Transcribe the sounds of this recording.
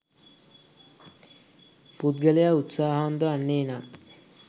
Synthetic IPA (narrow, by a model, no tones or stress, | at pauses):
pud̪̚ɡeljaut̪saɦaond̪əanːejna